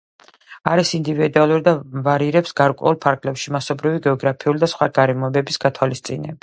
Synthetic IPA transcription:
aɾisind̪ivid̪ualˠuɾid̪avaɾiɾɛpsɡaɾkʼwɛ̰ulˠpʰaɾɡlɛpʃimasɔbɾiviɡɛɔɡɾapʰiulid̪asχwaɡaɾɛmɔɛbɛbisɡat̪ʰwalist̪sʼinɛ̰ba

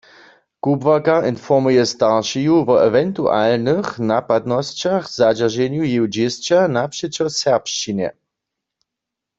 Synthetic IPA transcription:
kubvakaʔinfɔʁmujɛst̪aʁʃijuvɔɛvɛnt̪uʔa̰lnɨxnapad̪nɔst͡ɕaxz̥ad͡ʒaʁʒɛɲjujiwd͡ʑɪst͡ɕanapʂɛt͡ɕɔsɛʁpʃt͡ʃinɛ̰

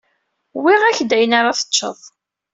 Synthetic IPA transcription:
wiʁæçd̪æjənaɾˤaθə̥ːə̰ðˤ

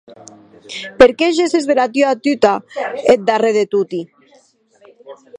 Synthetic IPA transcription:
peɾkeʒesezðelat̪yat̪yt̪aet̪̚d̪areðet̪ut̪i

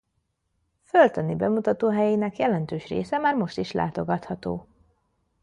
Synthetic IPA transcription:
følt̪ɒnibɛmut̪ɒt̪oːɦɛjinɛkjɛlɛnt̪øːʃrḛːsɛmaːrmo̞ʃt̪iʃla̰ːt̪o̞ɡɒt̪hɒt̪o̰ː

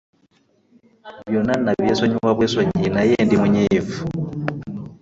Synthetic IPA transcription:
βjonanaβjesoɲuwaβwesoɲinajendimuɲiːfu̥

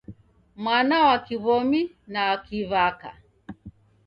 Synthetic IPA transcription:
mwanawakiβɔmi | nawakiβaka̰

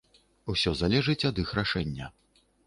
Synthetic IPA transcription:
usʲɔzalʲɛʐɨt͡sʲɐd̪ixraʂɛnʲːɐ

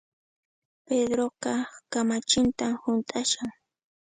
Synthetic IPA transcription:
ped̪ɾoqɑkamat͡ʃɪnt̪amhʊnt̪ʼaʃaŋ

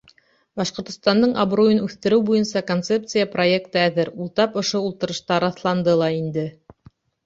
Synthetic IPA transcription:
bɑʃqŏɾt̪ŏ̥st̪ɑnd̪ɤɴɑbrujɤnʉθt̪ɘ̆ɾɘwbujɤnsɑkont̪se̞p̚t̪sɨjəpro̞ek̚t̪ɤæðɘɾulˠt̪ɑpŏʃoulˠt̪ɤ̆ɾɤ̆ʃt̪ɑɾɑθlˠɑnd̪ɤlˠɑind̪ɘ

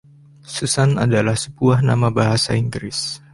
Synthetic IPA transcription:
səsana̰dalahsəbuahna̰mabaɦasa̰iŋɡɾɪs

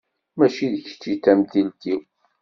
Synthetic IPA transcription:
mæʃiðəç̥t͡ʃːit̪ːæmθilt̪iw

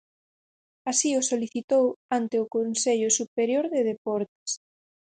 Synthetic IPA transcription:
asiʊsoliθit̪owant̪eʊkonseʎʊsupeɾjoɾðeðepɔɾt̪ɪ̥s

